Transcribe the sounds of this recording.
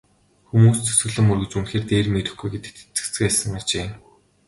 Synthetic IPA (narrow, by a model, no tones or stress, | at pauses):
xumuːst͡sʰɵ̥sɵ̆ɣɮɘ̆mɵrɣɘ̆t͡ɕunxeːrt̪eːrmeɾɘ̆xɡujɡet̪ɘ̥̆t̪e̥t͡sɘ̥̆kt͡sɘ̆kæːsə̆ŋat͡ɕeː